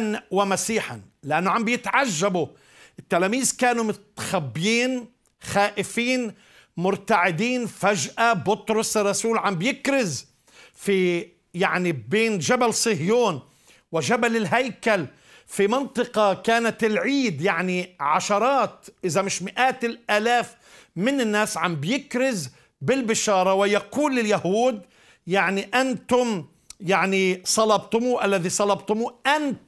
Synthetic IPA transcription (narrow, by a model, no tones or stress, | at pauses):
nwamasiːħa̰nlɪʔanːʊʕambjɪt̪ʕaʒːabʊ | ʔɪt̪ːalaːmiːzkaːnumɪt̪xabːjiːn | xaːʔɪfiːn | mʊɾt̪aʕɪd̪iːnfaʒʔabʊt̪ɾʊsrˤːɑsuːlʕambjɪkɾɪz | fi | jaʕnibeːnʒabalsˤɨhjuːn | wɪʒabalɪlɦajkal | fimɪnt̪ˤɨqɑkaːnat̪ɪlʕiːd̪jaʕniʕaʃɑɾˤɑːt̪ʔɪzamɪʃmɪʔaːt̪ɪlʔaːlaːf | mɪnɪnːaːsʕambjɪkɾɪz | bɪlbɪʃɑːɾˤɑwɪjaquːlːɪljahuːd̪ | jaʕniʔant̪ʊm | jaʕnisˤɑlɑbt̪ʊmuʔalːaðisˤɑlɑbt̪ʊmuʔant̪